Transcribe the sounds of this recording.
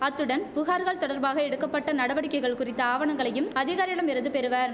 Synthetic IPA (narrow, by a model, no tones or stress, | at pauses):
ɐt̪ːɯɽɐnpʊɣaːɾɣɐɭt̪ɔɽɐɾbaːɣɐɛɽɯkːɐpːɐʈːɐnɐɽɐʋɐɽɪkːɐɪɣɐɭkʊrɪt̪ːɐaːʋɐɳɐŋɡɐɭɐjɯmɐðɪɣaːɾɪɐɭɐmɪɾɐðɯpɛɾɯʋaːɾ